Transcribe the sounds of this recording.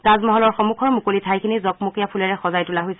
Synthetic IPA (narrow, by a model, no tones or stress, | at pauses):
zazmɔɦɔlɔɹxɔmukʰɔɹmukolitʰajkʰinizɔk̚mokijapʰulɛɹɛxɔzajtulaɦojsɛ